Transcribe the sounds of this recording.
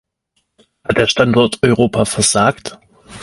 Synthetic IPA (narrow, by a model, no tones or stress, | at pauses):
hat̚d̥eːɐʃtandɔɐtʰɔʏʁoːpʰaːfɛɐz̥aːkt